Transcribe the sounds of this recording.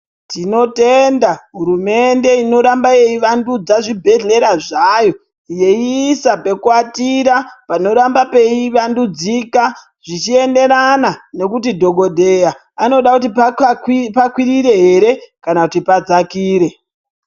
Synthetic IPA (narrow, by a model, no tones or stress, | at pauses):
tino̞te̞ndaɦuɾume̞nde̞ino̞ɾambaje̞iʋandud͡zaʐibʱe̞ɮe̞ɾaʐajo̞ | je̞iːsape̞kuatiɾapano̞ɾambape̞iʋandud͡zika | ʐ̥it͡ʃie̞nde̞ɾanane̞kutidʱo̞ɡʱo̞dʱe̞a | ano̞ɗakutip | pakwiɾiɾe̞ɦe̞ɾe̞kanakutipad͡zakiːɾe̞